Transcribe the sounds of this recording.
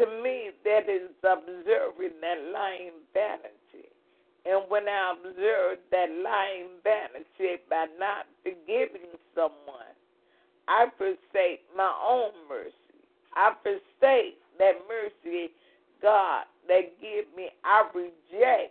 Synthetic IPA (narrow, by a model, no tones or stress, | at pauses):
tʰɨmiðɨɾɪzəbzɜ˞vɪ̃ŋðɨtˡlaɪɪ̃ŋvænɨtʰḭ | ɨ̃nwə̃naɪəbzɜ˞vðɨtˡlaɪɪ̃ŋvænɨtibaɪnətfə˞ɡɪvɪ̃ŋsʌ̃mwʌ̰̃n | ʔaɪfə˞seɪk̚maɪʔõʊ̃nmɜ̰˞si | ʔaɪfə˞seɪk̚ðɨt̚mɜ˞si | ɡ̥ɑd̪̚ðɨt̚ɡ̥ɪvmiaɪɹɪd͡ʒɛk̚